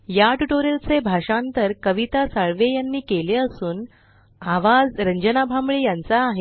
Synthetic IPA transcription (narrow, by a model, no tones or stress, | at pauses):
jaʈuʈoɾelt͡sebʱaʂãnt̪əɾkəʋit̪asəɭʋejanːiːkeleəsuːn | aʋad͡zɾəɲd͡ʑənabʱambɭejant͡saːɦe